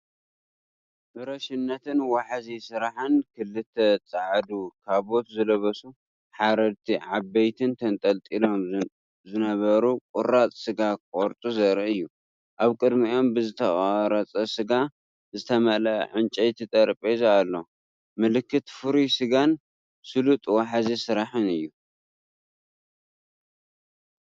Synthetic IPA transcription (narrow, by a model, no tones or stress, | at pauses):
bɨɾɐʃɪnːɐt̪ʰɨnwaħazisɨɾaħɨnkʰɨlːɨt̪ʰːɐt͡sʼaʕd̪ukʰaβo̞t̪zɨlɐβɐsu | ħaɾɐɾt̪ʰiʕabɐjt̪ʰɨnt̪ʰɐnt̪ʼɐlt̪ʼilo̞m | zɨnɐβɐɾukʼʊɾat͡sʼsɨɡakʼoɾt̪ʼuzɐɾiʔɨjːu | ʔaβkʼɨd̪mio̞mbɨzɨt̪ʰɐaɾɐt͡sʼɐsɨɡa | zɨt̪ʰɐmɐlɐ̰ʕɨnt͡ʃʼɐjt̪ʰit̪ʼɐɾpʼezalːo̞ | mɨlɨkʰːɨt̪fɨɾisɨɡan | sɨlut̪ʼwaħazisɨɾaħɨnɨjːu